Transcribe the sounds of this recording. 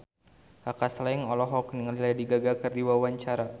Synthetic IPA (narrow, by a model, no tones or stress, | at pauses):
akaslajŋɔlɔɦɔkniŋlilajadiɡaɡakɨrdiwawaɲt͡ʃaɾa